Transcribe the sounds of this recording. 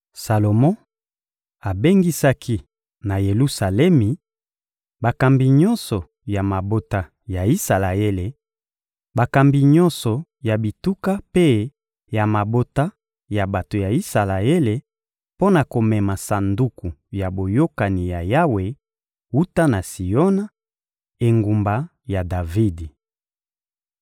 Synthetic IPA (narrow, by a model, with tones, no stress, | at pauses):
sa˨lo˨mɔ̃˦ | a˨be˦ŋɡi˦sa˦kʰi˦ | na˨je˨lu˦sa˨lɛ˦mi˨ | ba˨ka˨mbi˨ɲɔ˦nsɔ˨ | ja˨ma˨bo˦ta˦ | ja˨i˦sa˨la˨e˦le˨ | ba˨ka˨mbi˨ɲɔ̃˦nsɔ˨ja˨bi˨tu˦ka˦pe˦ | ja˨ma˨bo˦ta˦ | ja˨ba˨to˨ja˨i˦sa˨la˨e˦le˨ | po˦na˨ko˨mɛ˨ma˨sa˨ndu˦ku˨ja˨bo˨jo˦ka˨ni˨ja˨ja˦we˨ | u˦ta˦na˨si˨jɔ˦na˦ | e˨ŋɡu˨mba˨ | ja˨da˨vi˦di˨